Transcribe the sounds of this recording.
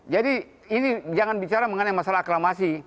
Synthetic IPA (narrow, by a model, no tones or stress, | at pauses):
d͡ʒadi | inid͡ʒaŋanbit͡ʃaɾaməŋənajmasalaɦaklamasi